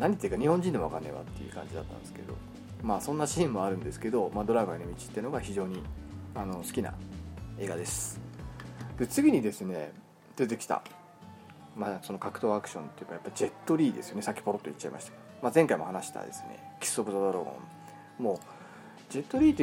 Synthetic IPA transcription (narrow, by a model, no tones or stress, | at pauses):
naɲ̟it̪ːeji̟kaɲ̟ihõɲ̟d͡ʑind̪e̞makanːeβa̰t̪ːḛjɯ̟̰kã̰ɲ̟d͡ʑid̪a̰t̪ːa̰nd̪esɨ̥ke̞d̪o̞̰ | masõ̞nːaɕiːmːo̞aɾɯ̟̃nd̪e̞sɨ̥ke̞d̪o̞mad̪o̞ɾaɡɯanomʲit͡ɕi̥t̪ːeno̞ɡaçiʑo̞ːɲ̟iano̞sɨ̥kʲina̰e̞ːɡad̪e̞sɨ̥ | d̪̥e̞t͡sɨɡʲiɲ̟id̪e̞sɨne̞̰ | t̪et̪̬e̞kʲi̥t̪a̰ | maso̞no̞kakɯ̟̥t̪o̞ːakɯ̟̥ɕõ̞nt̪ːe̞jɯ̟kːajapːaɾʲiʑd͡ʑe̞t̪ːo̞ɾʲiːd̪e̞sɨjo̞ne̞sakʲːi̥po̞ɾo̞t̪ːo̰it͡ɕːaimʔa̰ɕi̥t̪ḁ | mazẽ̞ŋkaimo̞hanaɕi̥t̪a̰d̪e̞̰sɨne̞̰kʲi̥sːokɯ̟zod̪oɾoɡõ̞̰n | mo̞ | d͡ʑe̞t̪ːoɾʲiːt̪ːe